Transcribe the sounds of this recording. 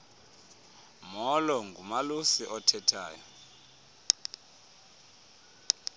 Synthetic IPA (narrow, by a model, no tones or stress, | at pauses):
mɔlɔŋɡʱumalusiʔɔtʰɛtʰa̰ːjɔ